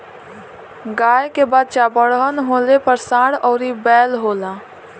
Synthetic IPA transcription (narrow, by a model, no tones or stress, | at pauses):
ɡaːjkebəd̪̚t͡ʃabəɽɦənɦoːlepəɾsãːɽɔːɾibɛːlɦoːlãː